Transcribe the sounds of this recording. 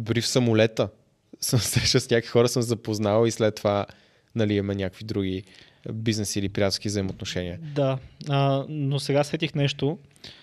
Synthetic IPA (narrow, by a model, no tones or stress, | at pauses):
bɾifsəmʊlɛt̪ə | səmsɛʃɛsnʲakovixɔɾəsɤmzɐpoznavislɛt̪ːova | nɐliɛmɛnʲakəkvid̪ɾuɡi | biznɛsiːlipɾiat̪skʲivzəimot̪noʃɛniəd̪aənosɛɡasɛt̪ixnɛʃt̪o